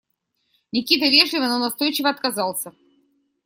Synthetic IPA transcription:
nʲɪkʲit̪əvʲeʐlʲɪvənənast̪o̞jt͡ɕɪvəɐt̪̚kazɑlˠsʲə

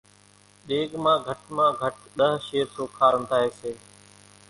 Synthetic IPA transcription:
ɗeːɡmãːɡʱəʈmãːɡʱəʈɗəɦʃeːɾt̪oːkʰaːɾənt̪ʰaːɦeːseː

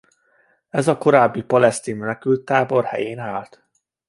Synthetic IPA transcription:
ɛzɒko̞ɾaːbːipɒlɛst̪iːnmɛnɛkylt̪ːaːbo̞rhɛ̰jeːnaːlt̪

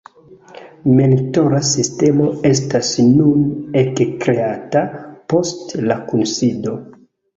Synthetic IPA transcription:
menito̞ɾasiste̞mo̞e̞s̬tasnunekkɾe̞atapo̞stlakunsido̞

